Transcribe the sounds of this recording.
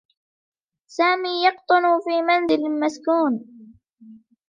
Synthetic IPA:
saːmiːjɑqt̪ˤʊnʊfiːmanzɪlɪlmaskuːn

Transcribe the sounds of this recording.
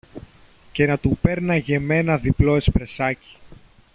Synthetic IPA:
ce̞nɐt̪upe̞ɾnɐʝe̞me̞nɐðiplo̞espɾe̞sɐci̥

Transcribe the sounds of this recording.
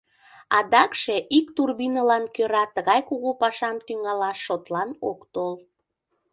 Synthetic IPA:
ɑd̪ɑkʃe̽ʔikt̪urβinəlɑnkøɾɑt̪əɣɑjkuɣupɑʃɑmt̪yŋɑlɑʃːot̪lɑnokt̪ol

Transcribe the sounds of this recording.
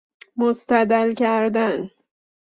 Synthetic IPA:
most̪æd̪ælcʰæɾd̪æn

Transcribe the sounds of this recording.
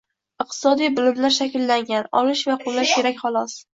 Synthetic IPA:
ɨq̚t̪ʰɪ̥sɒd̪ijbʊlɪmlaɾʃakʲɪlːaŋɡʲanɒ̰lɪʃvaqʰʊlːaʃkʲʰe̞ɾakʲχɒlˠɒs

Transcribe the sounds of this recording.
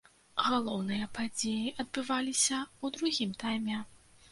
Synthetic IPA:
ɣalˠɔwnɨjɐpad͡zʲejiʔɐd̪̚bɨvalʲisʲɐud̪ɾuɣʲimt̪ajmʲɛ

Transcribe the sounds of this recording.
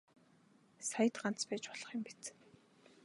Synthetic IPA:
sajə̆t̪ɢan̥t͡spæːt͡ɕpɔɮ̥ɞ̆χjʊ̆mpi̥t͡s

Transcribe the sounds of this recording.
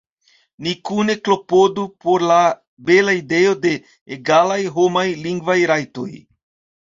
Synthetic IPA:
nikune̞klo̞po̞dupo̞ɾla | be̞laide̞o̞de̞ː | ɡalajɦomajliŋɡvajɾajto̞̰j

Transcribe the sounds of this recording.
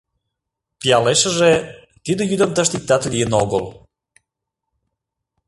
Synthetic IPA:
pijɑleʃəʒe | t̪id̪əjyd̪əmt̪əʃt̪ik̚t̪ɑt̪lijənoɣəl

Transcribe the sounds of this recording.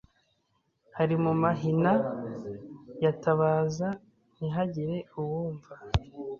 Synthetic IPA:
haɾimumaɦina | jataβaːza | niɦaɟiɾe̞uwuːɱva

